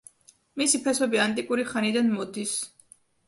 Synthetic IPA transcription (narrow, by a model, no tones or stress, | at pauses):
misipʰɛsɔbiant̪ʼikʼuɾiχanid̪anmɔd̪is